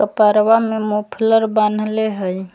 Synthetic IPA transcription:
əpaɾʋamemopʰləɾbanleɦəj

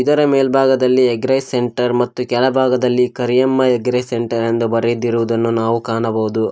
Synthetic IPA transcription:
id̪ɐɾɐmeːlbʱaːɡɐd̪ɐlːieɡɾɐjseɳʈɐɾmɐt̪ːukɛlɐbʱaːɡɐd̪ɐlːikɐɾijɐmːɐeɡɾɐjseɳʈɐɾend̪ubɐɾed̪iɾuʋud̪ɐnːunaːʋukaːɳɐbɐʋud̪u

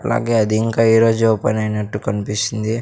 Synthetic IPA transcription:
ʈla̰ːɡeːɐd̪iiŋkaːiːɾoːd͡ʒuɔpɐ̰nɐːjnɐʈːukɐnipisind̪i

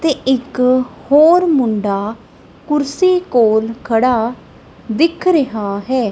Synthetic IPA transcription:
t̪eːʔɪkhoːɾmʊɳɖaː | kʊɾsiːkoːlkʰəɽaː | d̪ɪkʰɾəɦaːɦɛː

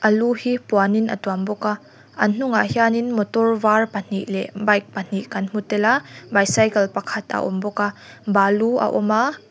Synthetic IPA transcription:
ʔɐluhipuaninʔɐ̰tuambɔka | ʔɐnn̥ʊŋaʔhjaːninmɔtɔrvarpan̥iʔlɛʔbɐjk̚pan̥iʔkɐnm̥utɛlabajsajkɐlpɐkʰɐt̪ɐ̰ʔɔ̰mbɔka | baluʔɐ̰ʔɔma

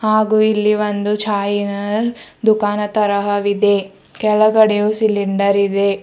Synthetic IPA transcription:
haːɡuːilːiʋond̪ut͡ʃʰaːjinɐd̪ukaːnɐt̪ɐɾɐɦɐʋid̪e̞ | kɛɭɐɡɐɽejusiliɳɖɐɾid̪e

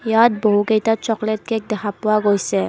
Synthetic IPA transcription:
jat̚boɦukejtat͡ʃɔklet̚kɛk̚dɛkʰapʊwaɡojsɛ

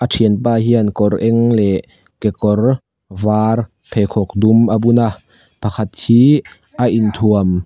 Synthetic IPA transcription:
ʔatʰiənpaːɦiənkɔrʔɛŋlɛʔ | kɛkɔr | vaːr | pʰɛkʰɔk̚dumʔabuna | pʰakʰat̪̚hiː | ʔaʔint̪ʰuəm

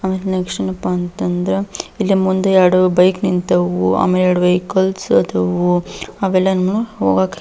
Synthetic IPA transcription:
aːmeːlenɐkʂɐnɐpːaːnt̪ɐnd̪ɾeilːimund̪ejaɽubɐjknint̪ɐʋua̰ːmeːljaːɽubɐjkɐlsɐt̪ʰɐʋuɐʋɛlːɐnɐmːɐnuɦo̰ːɡaːk

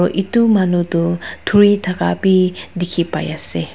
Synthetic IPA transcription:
ɹɔʔitumanutʊtʰuɹitʰakapidikʰipa̰jasɛ

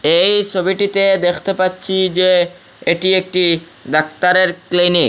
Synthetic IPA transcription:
ejt͡ʃʰobiʈit̪ed̪ekʰt̪epatːɕʰid͡ʑe | eʈiek̚ʈi | d̪akt̪aɾeɾklinik

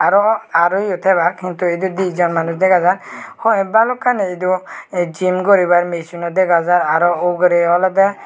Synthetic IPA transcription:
aɾɔaɾɔjut̪ʰɛβaɾkʰint̪uid̪ud̪izɔnmanusd̪ɛɡazanhɔjbalɔkʰanɛid̪ud͡ʒimɡɔɾibaɾmesunɔd̪ɛɡazaɾaɾɔɔɡɾɛɔlɔd̪ɛ

